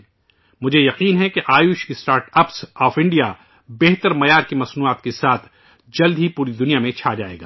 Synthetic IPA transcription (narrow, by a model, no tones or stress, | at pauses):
mʊd͡ʒʱejɐqiːnɦɛkeʔaːjʊʃɪsʈaːɾʈɐpsɔːfɪ̃ɳɖija | bɛɦt̪əɾmɐjaːɾkimɐsnuːaːt̪kesaːt̪ʰ | d͡ʒɐld̪ʱɦipuːɾid̪ʊnijamẽt͡ʃʰaːd͡ʒa̰ːḛːɡa̰ː